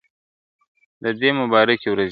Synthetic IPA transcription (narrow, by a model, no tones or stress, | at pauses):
d̪əd̪emʊbɑɾakewɾaz